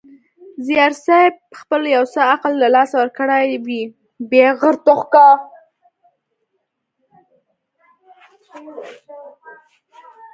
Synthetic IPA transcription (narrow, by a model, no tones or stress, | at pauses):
zijɑɾsɑb̚xpəljawsəaqlːalɑsawəɾkəɽajwi | beɣəɾt̪ʊxka